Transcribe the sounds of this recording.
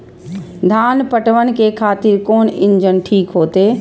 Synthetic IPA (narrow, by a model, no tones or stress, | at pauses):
d̪ʱaːnpəʈʋənkekʰaːt̪iːɾkoːnɪ̃ɲd͡ʒənʈʰiːkɦoːt̪eː